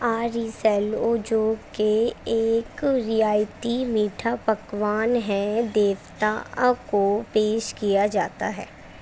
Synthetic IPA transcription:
aːɾisɛloːd͡ʒoːkeeːkɾijaːjt̪imiːʈʰapɐkʋaːnɦɛ̃d̪eːʋt̪a̰kopeːʃkijad͡ʒaːt̪a̰ɦɛ̰ː

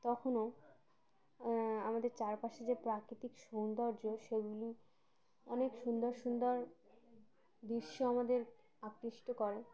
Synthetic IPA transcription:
t̪ɔkʰono | amad̪eɾt͡ɕaɾpaʃed͡ʑepɾakɾit̪ikʃownd̪ɔɾd͡ʑoʃeɡuli | ɔnekʃund̪oɾʃund̪oɾ | d̪iɾʃːoamad̪eɾ | akɾiʃʈokɔɾe

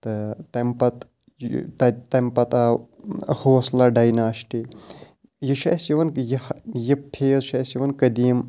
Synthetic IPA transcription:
t̪ɨt̪ɐmpɐt̪ | t̪ɐt̪ɐmpɐt̪a | hoːslɐɖɐjnaːʃʈi | jiʃɐ̰sjiʋɐnjɐhjipʰeːzʃɐsjiʋɐnkɐd̪iːm

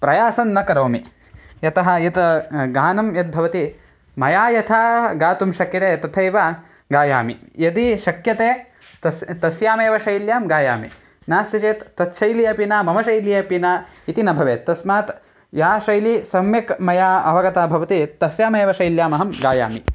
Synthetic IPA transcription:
pɾɐjaːsɐnːɐkɐɾoːmi | jɐt̪ɐɦɐ̆jɐt̪ɐɡaːnɐmjɐt̪̚bʱɐʋɐt̪i | mɐjaːjɐt̪ʰaːɡaːt̪umʃɐkjɐt̪eːt̪ɐt̪ʰɐjʋa | ɡaːja̰ːmḭjɐd̪iʃɐkjɐt̪eː | t̪ɐt̪ɐsjaːmeːʋɐʃɐjljaːmɡaːja̰ːmḭ | naːsjɐt͡ʃeːt̪ːɐt̪ʃʰɐjlijɐpinaːmɐmɐʃɐjlijɐpina | it̪inɐbʱɐʋḛːt̪ːɐsmaːt̪ | jaːʃɐjlisɐmjɐkmɐjaːɐʋɐɡɐt̪aːbʱɐʋɐt̪it̪ɐsjaːmeːʋɐʃɐjljaːmɐɦɐmɡaːja̰ːmi

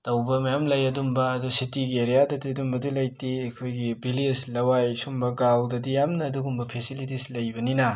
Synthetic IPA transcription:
tɐwbɐmɐjamlɐjɐdumbɐːdusitiɡieɾijadɐdiɐdumbɐdulɐjtiekʰojɡibilislɐwajsumbɐɡawdɐdijamnɐːduɡumbɐpʰesilit̬islɐjbɐninɐ

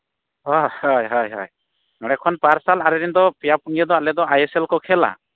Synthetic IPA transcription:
hɔhɔjɦɔjɦɔ̰j | ŋɔɽ̃ɛkʰɔnpaɾsalaɾɛɾind̪ɔpɛjapuŋijɛd̪ɔalɛd̪ɔajeselkɔkʰɛla̰

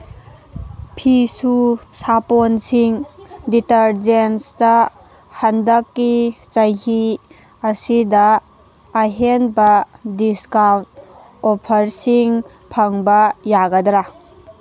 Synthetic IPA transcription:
pʰisusaponsiŋditɐɾd͡ʒensdɐ | hɐndɐkːit͡ʃɐjɦi | ɐsidɐː | ɦenbɐdiskawnt̚ | opʰɐɾsiŋ | pʰɐŋbɐjaɡɐdɾa

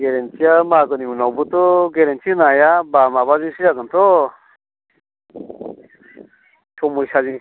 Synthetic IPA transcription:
ɡeɾentʰijamaɡɯniunawbut̪ɔɡeɾentʰinajabamabaziŋsɯjaɡɯnt̪ʰɔ | tʰɔmujsaziŋ

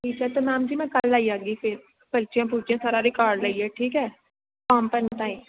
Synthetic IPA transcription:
ʈʰiːkɦɛt̪omaːmd͡ʒimɛ̃kəlːaːiaːɡifʰɪɾ | pəlt͡ʃjãp̬uːt͡ʃijãsaːɾaɾɪkaːɾɖlaiɛʈʰiːkɦɛː | paːmpənʈ̪ãːĩ

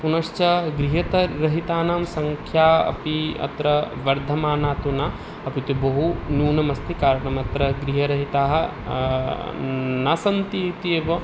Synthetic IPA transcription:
punɐʃt͡ʃɐɡɾiɦɐt̪ɐɾɐɦit̪aːnaːmsɐŋkʰjaːɐ̰piɐ̰t̪ɾɐʋɐɾd̪ʱɐmaːnaːt̪unaː | ɐpit̪ibɐɦunuːnɐmɐst̪ʰikaːɾɐɳɐmɐt̪ɾɐɡɾiɦɐɾɐɦit̪aːɦɐ | nasɐnt̪it̪ieːʋɐ

